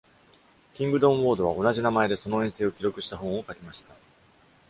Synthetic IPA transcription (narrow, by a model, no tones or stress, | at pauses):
kʲĩŋɡɯ̟d̪õbo̞ːd̪o̞β̞ao̞naʑinamae̞d̪e̞so̞no̞ẽ̞ɰ̃se̞ːo̞kʲiɾo̞kɯ̟ɕi̥t̪aɦõ̞ɰ̃o̞kakʲemaɕi̥t̪a